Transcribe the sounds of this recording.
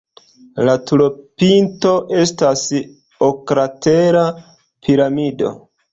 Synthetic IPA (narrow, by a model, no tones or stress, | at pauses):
latuɾopinto̞ʔe̞stas | okɾateɾa | pʰiɾamido̞̰